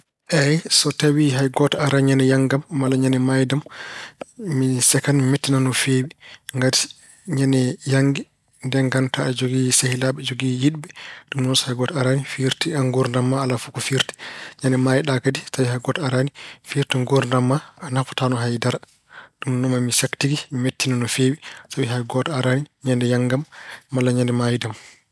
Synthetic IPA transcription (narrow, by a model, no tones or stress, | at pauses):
ʔɛjsɔtawiɦajɡɔtaaɾanɲanɛjaŋɡamːalaɲanɛmajdam | misɛkanmimetːinanɔfewiŋɡati̥ | ɲanɛjaŋɡɛ | ndɛŋɡantʰaad͡ʒoɡisahilaɓɛd͡ʒoɡijiɗbɛɗumnɔshajɡɔtaɾanifiɾtiaŋɡuɾndamːaːlafukufiɾtɛ̥ɲanɛmajiɗakadisabihajɡɔtɔaɾanifiɾtiŋɡuɾndamːaːnafɔ̥tanɔɦajdaɾa | ɗumnɔmamisaktiɡimimetːinanɔfewisabiɦajɡɔtɔaɾaniɲandɛjaŋɡamːalːaɲandɛmaːjidam